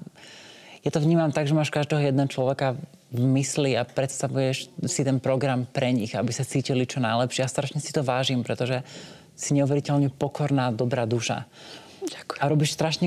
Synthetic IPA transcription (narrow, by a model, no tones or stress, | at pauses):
jat̪ɔvɲiːmamt̪aɡʒɛmaːʃkaʒd̪ɛːɦɔjɛd̪nɛɦɔt͡ʃlɔʋɛka | vmisliapɾɛt̪st̪aʋujɛʃsit̪ɛnpɾɔɡɾampɾɛɲiɣabisat͡siːcilit͡ʃɔnajlɛpʃɪɛast̪ɾaʃɲɛsi̥t̪ɔʋaːʒimpɾɛt̪ɔʒɛ | siɲɛuʋɛɾicɛʎɲɛpɔkʰɔɾnaːd̪ɔbɾaːd̪uʃa̰ | aɾɔbiːʃst̪ɾaʃɲɛ